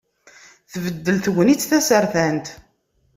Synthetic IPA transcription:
θvəd̪ːəlθʝʷənit͡sːθæsəɾθænt̪

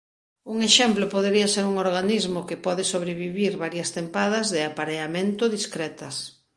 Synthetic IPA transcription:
uŋeʃɛmplopoðeɾiɐseɾuŋoɾɣanizmokɪpɔðɪsoβ̞ɾeβiβiɾβaɾjɐst̪empað̞ɐzðɪapaɾeamẽnt̪ʊðiskɾɛt̪ɐs

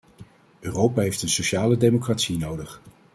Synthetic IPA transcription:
ʔøːrowpaːɦejftənsoʃaːlədejmokratsinowdəχ

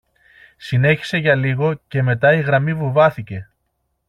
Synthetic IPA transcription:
sine̞çi̥se̞ʝɐliɣo̞ce̞me̞t̪ɐiɣɾɐmivuvɐθice̞

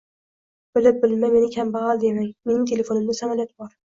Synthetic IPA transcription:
b̥ɪlɪp̚bɪlmame̞nɪkʲʰambɑʁɑlˠd̪e̞maŋme̞nɪŋt̪ʰe̞le̞fo̞nɪmd̪asamalˠjat̪bɒɾ

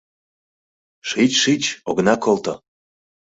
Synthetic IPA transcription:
ʃit͡ɕʃit͡ɕoɣənɑkolt̪o

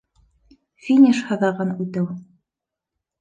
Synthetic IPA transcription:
fʲinʲiʃhɤ̆ðɑʁɤnʉt̪ɘw

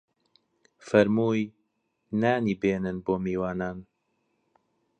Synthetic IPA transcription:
fɐɾmuːj | naːniːbeːnɨnboːmiːwaːnaːn

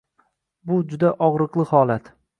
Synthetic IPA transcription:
bʊd͡ʒʊd̪aʔɒʁɾɨqlˠɪhɒlat̪

